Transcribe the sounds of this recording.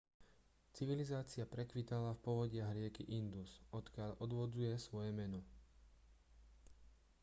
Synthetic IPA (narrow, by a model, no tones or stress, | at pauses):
t͡siʋilizaːt͡siapɾɛkʋit̪alafpɔʋɔɟɪaɦɾɪɛkiʔind̪usɔt̪kɪaʎɔd̪ʋɔd͡zujɛsʋɔjɛmɛnɔ